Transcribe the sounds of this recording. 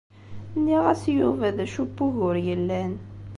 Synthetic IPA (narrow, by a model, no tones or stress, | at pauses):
nːiʁæsjuvæðæʃubːuʝʊɾjəlːæn